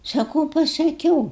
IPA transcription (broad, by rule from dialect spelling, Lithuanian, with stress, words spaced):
sɐˈkuːʊ pɐsɐˈkʲuːʊ